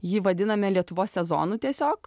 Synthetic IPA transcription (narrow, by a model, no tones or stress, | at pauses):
jiːʋɐd̪ʲɪnɐmʲɛlʲiɛt̪ʊʋoːsʲsʲɛzo̰ːnuːt̪ʲiɛsʲoːk